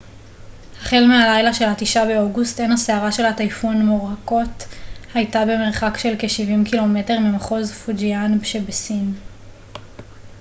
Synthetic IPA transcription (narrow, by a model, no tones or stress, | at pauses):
haχelmealajlaʃe̞lhatiʃabe̞o̞ɡustenhaseaʁaʃe̞lhatajfunmoʁako̞thajtabe̞meʁχakʃe̞lkeʃivimkilo̞me̞te̞ʁmimaχo̞zfud͡ʒianbeʃebesin